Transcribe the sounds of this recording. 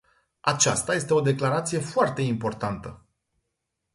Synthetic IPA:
at͡ʃast̪aje̞st̪e̞o̞d̪e̞klaɾat̪sije̞foart̪e̞impo̞rt̪ant̪ə

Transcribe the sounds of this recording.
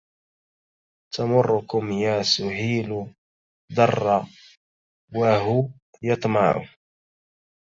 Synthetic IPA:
t̪amʊrːʊkʊmjaːsʊhiːlʊ | d̪ˤɑrˤːɑ | waɦʊ | jɑt̪ˤmɑʕʊ̰

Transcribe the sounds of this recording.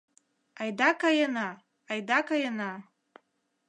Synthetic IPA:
ajd̪akajanaː | jd̪akajana

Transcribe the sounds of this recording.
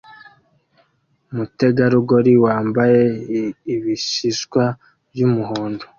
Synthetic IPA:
mute̞ɡaɾuɡo̞ɾiwaːmbaje̞iβiʃiʃkwa | bjumuɦoːndo

